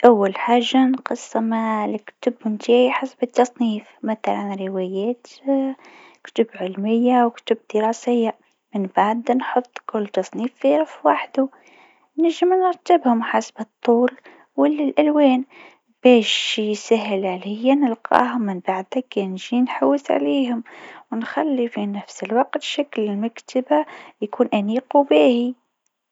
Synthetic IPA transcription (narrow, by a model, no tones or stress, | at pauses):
ʔawːalħaːʒːanqɨsˤːɑmalkt̪ʊbnt̪iːʕiħasbɨt̪ːɑsˤniːfmaθalænɾɪwɛjɛːt̪ | kt̪ʊbʕɪlmɪjːawkt̪ʊb̚d̪̥ɪɾˤɑːsɪjːa | mɪnbaʕd̪nħot̪ˤːkʊlːt̪ɑsˤniːfːiɾfwaħd̪u | næʒːəmnəɾˤt̪ːabhʊmħasbɨt̪ˤːuːl | wɪlːalʔælwɛːn | b̥ɛːʃjsæɦɪlʕalɪjːanɪlqʰɑ̰ːhʊmːɪnbaʕd̪hakɛnʒinħawːɪsʕa̰liːɦʊmwnxalːifinafsəlwɑq̚t̪ʃaklɪlmakt̪ʰabajkuːnʔaniːqubiːhi